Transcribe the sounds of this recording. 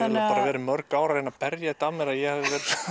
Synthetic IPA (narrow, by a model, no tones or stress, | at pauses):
apaːɾavɛːɾɪmœɾkaːwɾaɾɛnːapɛɾjat̪aːmɛɾaðjɛhavðɪvɛːɾɪ